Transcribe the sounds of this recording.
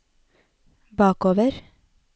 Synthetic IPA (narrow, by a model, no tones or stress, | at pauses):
bɑːkoːʋəɾ